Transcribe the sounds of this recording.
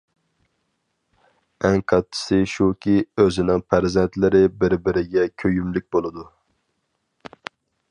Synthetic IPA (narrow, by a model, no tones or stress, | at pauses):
ɛŋqʰɑt̪ːɨ̥sɨʃukʲiøzɪnɪŋpʰæɾzɛnt̪lɪɾɪbɪɾbɪɾɪɡʲɛkʲʰøjymlyk̚ʲbolˠɨd̪u